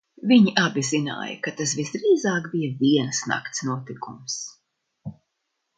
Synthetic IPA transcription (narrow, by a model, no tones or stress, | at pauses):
viɲiʔabʲizina̰ːjɐ̰kat̪as̬visd̪ɾiːzaːkbijɐvʲiɛnsna̰kt̪snuɔt̪ikums